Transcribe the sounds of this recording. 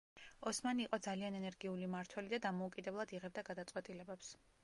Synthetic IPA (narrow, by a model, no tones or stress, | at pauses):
ɔsmaniːqʼɔd̪zalianɛnɛɾɡiulimaɾt̪ʰwɛlid̪ad̪amɔukʼid̪ɛblˠad̪iʁɛbd̪aɡad̪at̪sʼwɛt̪ʼilɛbɛps